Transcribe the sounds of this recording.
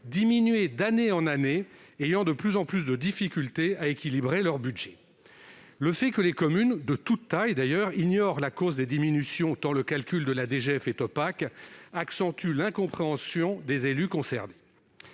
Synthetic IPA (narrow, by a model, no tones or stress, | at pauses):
d̪iminɥed̪aneɑ̃naneejɑ̃d̪əplyzɑ̃plys̬d̪əd̪ifikʲylt̪eaekʲilibʁelœʁbyd̪ʒɛ | ləfɛkəlekɔmynd̪ət̪ut̪ːajd̪ajœʁiɲɔʁlakozd̪ed̪iminysjɔ̃t̪ɑ̃ləkalkʲyld̪əlad̪eʒeɛfɛt̪ɔpakaksɑ̃t̪ylɛ̃kɔ̃pχeɑ̃sjɔ̃d̪ezelykɔ̃sɛʁne